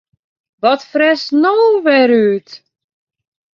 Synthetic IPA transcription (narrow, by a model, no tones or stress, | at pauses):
ʋɔtfrɛsnoːʋɛɾyːt